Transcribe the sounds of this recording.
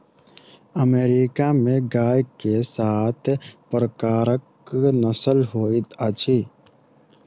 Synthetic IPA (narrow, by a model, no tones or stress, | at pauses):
əmeːɾikamẽɡaːjkesaːt̪ʰpɾəkaːɾək | nəsəlɦoːit̪ət͡ʃʰi